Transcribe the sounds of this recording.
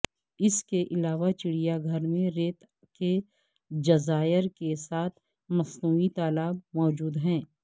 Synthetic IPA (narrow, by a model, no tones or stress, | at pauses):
ɪskeʔɪlaːʋat͡ʃɪɽijaɡʱɐɾmẽɾeːt̪ | ke | d͡ʒɐzaːɪɾkesaːt̪ʰ | mɐsnuːit̪aːlaːb̚mɔːd͡ʒuːd̪ɦɛ̃ː